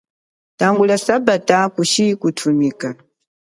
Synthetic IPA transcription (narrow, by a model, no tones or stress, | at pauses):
taŋɡulasabatakuʃikutʰumika